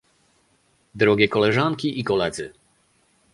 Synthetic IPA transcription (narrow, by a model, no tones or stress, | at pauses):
d̪ɾɔɡʲɛkɔlɛʐaŋkʲiʔikɔlɛd̪zɘ̰